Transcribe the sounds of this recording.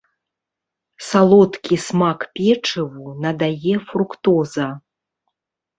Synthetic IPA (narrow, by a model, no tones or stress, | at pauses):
salˠɔt̪kʲismakpʲɛt͡ʂɨvunɐd̪ajɛfɾukt̪ɔzɐ